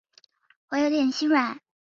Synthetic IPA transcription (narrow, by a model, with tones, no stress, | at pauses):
wɔ˧˥jo˧˥ʊt̪jɛ˨˩nɕi˥nwa˨˩˥n